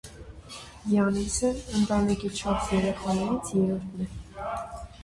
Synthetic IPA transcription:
jɑnisəːnt̪ɑnikit͡ʃʰɑɾsjɛɾɛχɑnɛɾit͡sʰjɛɾɔɾt̪ʰnɛ

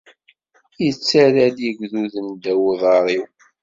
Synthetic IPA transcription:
jət͡sːæɾæljiɡðuðənd̪æwðˤɑɾˤiw

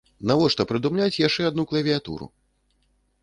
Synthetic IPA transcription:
navɔʂt̪ɐpɾɨd̪umlʲat͡sʲjaʂt͡ʂɛad̪nuklˠɐvʲiat̪ṵɾṵ

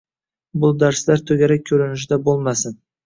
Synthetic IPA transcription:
bʊlˠd̪aɾslaɾt̪ʰɵɡʲaɾak̚ʲʰːɵɾɪnɪʃ̬ɪd̪abolˠmasɪn

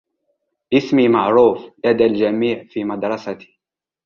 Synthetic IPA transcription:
ʔɪsmimaʕɾˤuːfʔad̪ald͡ʒamiːʕfiːmɑd̪ɾˤɑsat̪i̥

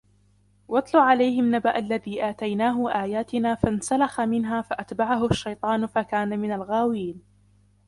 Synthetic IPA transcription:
wɑt̪ˤlʊʕalajhɪmnabaʔalːaðiːʔaːt̪ajnaːɦʊʔaːjaːt̪ɪnaːfansalaxamɪnɦaːfaʔat̪baʕaɦʊaʃːajt̪ˤɑːnfakaːnamɪnalɣaːwɪjiːn

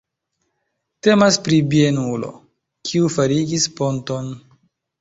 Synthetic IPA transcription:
te̞maspɾibienulo̞̰ | kʰiufaɾiɡispo̞nto̞n

